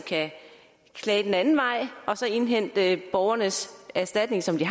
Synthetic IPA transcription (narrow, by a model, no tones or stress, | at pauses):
kʰæ | kʰlɛːd̥enænn̩ʋɑ̈ɪ̰ʔɒ̽sɒ̽e̝nɦen̰d̥əb̥ɒʊɐnəsæɐsd̥æd̥̚ne̝ŋsɒ̽md̥i